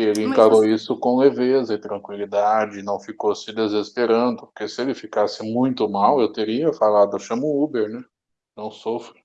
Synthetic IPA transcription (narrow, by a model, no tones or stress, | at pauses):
elɪẽkaɾoisʊkõlevezɐɪt̪ɾɐ̃ŋkwilid̪ad͡ʒɪnɐ̃w̃fikosɪd̪ezespeɾɐ̃nd̪ʊpʊɾkesɪelɪfikasɪmũj̃t̪ʊmawewt̪eɾiɐfalad̪ʊeʃɐ̃mʊubeɾnɛ | nɐ̃w̃sofɾɪ